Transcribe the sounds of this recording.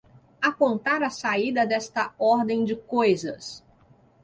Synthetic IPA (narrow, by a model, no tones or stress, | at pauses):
apõnt̪aɾɐsaid̪ɐd̪ɛst̪ɐɔɾd̪ẽj̃d͡ʒɪkojzɐs